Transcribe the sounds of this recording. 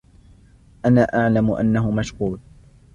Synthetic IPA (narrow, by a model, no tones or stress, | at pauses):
ʔanaːʔaʕlamʊʔa̰nːahʊmaʃquːl